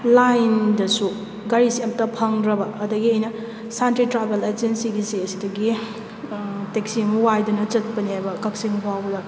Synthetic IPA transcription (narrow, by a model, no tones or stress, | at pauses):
lajndɐsu | ɡaɾisemtɐpʰɐŋdɾɐbɐʔːdɐɡiɐjnɐ | santɾitɾabeled͡ʒensiɡisiɐsidɐɡi | tek̚siɐmɐwajdɐnɐt͡ʃɐt̚pɐnihajbɐkɐk̚siŋbʰawbɐdɐ